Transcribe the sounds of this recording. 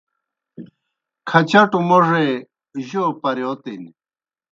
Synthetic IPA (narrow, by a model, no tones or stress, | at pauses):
kʰɐt͡ɕɐʈumoʐe | ʑopɐɾjot̪in